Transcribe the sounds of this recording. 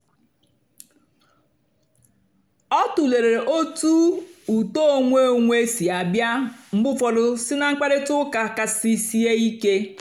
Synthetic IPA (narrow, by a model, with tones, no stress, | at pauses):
ɔ˦tu˨le˨ɾe˨ɾe˨ʔo˦tu˦u˨to˦o˨ŋʷe˦˨ŋʷe˦si˨a˨bja˦m̩˦bʊ˦fɔ˨dʊ˦sɪ˦na˨ŋ͡m̩˦k͡pa˦ɾe˦tʊ˦ka˨ka˨si˦si˦e˦i˦ke˦